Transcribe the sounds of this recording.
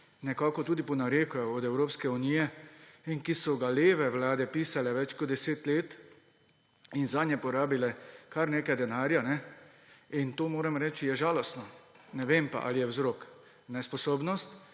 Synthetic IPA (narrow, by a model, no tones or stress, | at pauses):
nɛkaːkɔt̪uːd̪ipɔnaɾekʊjɔɔd̪ɛwɾoːpskɛuniːjɛiŋkisɔɡaleːʋɛwlaːd̪ɛpiːsalɛʋɛt͡ʃkɔtd̪̚d̪ɛseːt̪leːt̪ | inzaːd̪nʲjɛpɔɾaːbilɛkaɾnekajd̪ɛnaːɾjanɛ | int̪oːmoːɾɛmɾɛːt͡ʃijɛʒaːlɔst̪nɔ | nɛʋempa̰ʔa̰lijɛwzɾok | nɛspɔsoːbnɔst̪